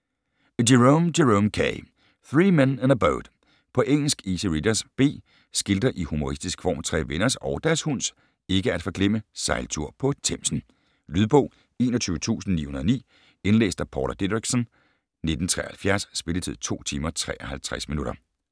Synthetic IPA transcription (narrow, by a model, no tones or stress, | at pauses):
diʁomdeʁomkʰɛ̰ɪ | θʁiːmenænəbaʊd̥ | pʰɒ̽ʔeŋ̰l̩sɡ̥isəʁid̥ɐsb̥e̝̰ː | sɡ̥ild̥ɐʔihumo̝ʁisd̥isɡ̥fɒ̰ːmt͡sʰʁɛ̰ːʋenɐsɒʊd̥æɐshun̰s | e̝ɡ̥əæd̥fɒ̽ɡ̥lem̰əsɑ̈ɪlt͡sʰuɐ̰pʰɒ̽t͡sʰem̰sn̩ | lyðˠb̥ɔ̰ʊː | e̝̰ːnɐt͡sʰyːʊət͡sʰṵːsn̩nḭːhunɐðˠnḭː | enlḛːsd̥æpʰɒːɾ̥ɐd̥edʁiɡ̥sn | ne̝d̥n̩t͡sʰʁɛ̰ːhælfjæɐsːb̥e̝lət͡sʰið̰ˠt͡sʰo̝̰ːt͡sʰiːmɐt͡sʰʁɛ̰ːʔɐhælt͡sʰʁɛsminuɾ̥ɐ